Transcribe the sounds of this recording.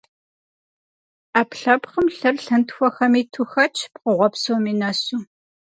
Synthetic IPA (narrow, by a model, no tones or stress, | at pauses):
aːpɬɐpχəmɬɐrɬɨntxʷɔxɐmiːtʰuxɐt͡ʃʰpqəʁʷɔpsowmiːnɐsuː